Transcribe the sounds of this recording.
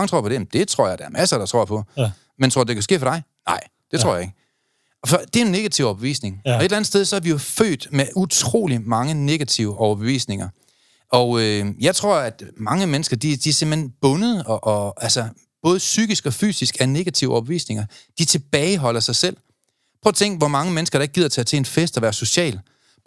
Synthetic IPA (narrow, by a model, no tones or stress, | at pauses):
ŋət͡sʰʁo̝ɐ̰pʰdejm̩d̥e̝t͡sʰʁo̝̰ɐ̰jɑ̈ɪdɑæɐmʔæsɐɾ̥ɑ̈t͡sʰʁo̝ɐ̰ɐpʰɒ̽ | ment͡sʰʁo̝ɐ̰d̥e̝kʰæsɡ̥e̝̰ːfɒ̽ɾ̥ɑ̈ɪnɑ̈ɪ̰ | d̥e̝t͡sʰʁo̰jɑ̈e̝ɡ̥ə | fɒd̥e̝æenːe̝ɡ̥æt͡sʰiʊ̰ɒbe̝ʋḭːsne̝ŋɒ̽eelæn̩̥ˠseð̞ˠsɒ̽æɐʋijo̝fø̰ːd̥meʔut͡sʰʁo̝̰ːlimɑ̈ŋəne̝ɡ̥æt͡sʰiʊəʔɒʊɐb̥e̝ʋḭːsne̝ŋɐ | ɒ̽øjɑ̈ɪt͡sʰʁo̝ɐ̰æd̥mɑ̈ŋəmenəsɡ̥ɐd̥id̥iæse̝m̰̥henb̥ɔ̽nəð̩ˠɒʔɒ̽ælsɐ | b̥ɔ̽ːð̞ˠəsyɡ̥isɡ̥ɒ̽fy̰ːsisɡ̥æne̝ɡ̥æt͡sʰiʊʔɒb̥eʋḭːsne̝ŋɐd̥it͡sʰe̝b̥ɛːɪɦɒ̽l̰ɐsɑ̈ɪsel̰ | pʰɔt͡sʰeŋ̰ɡd̥ʋɒmɑ̈ŋəmenəsɡ̥ɐɾ̥ɑ̈e̝ɡ̥̚ið̰ˠɐt͡sʰeæt͡sʰeenfesd̥ɒʋæːɐso̝ɕɛ̰ːl